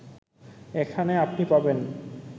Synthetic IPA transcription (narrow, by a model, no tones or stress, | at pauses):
ekʰaneapnipaben